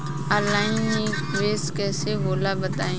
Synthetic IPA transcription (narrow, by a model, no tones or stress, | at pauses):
əlaːɪneː | ʋeːskɛːseboːlabɐt̪aːẽː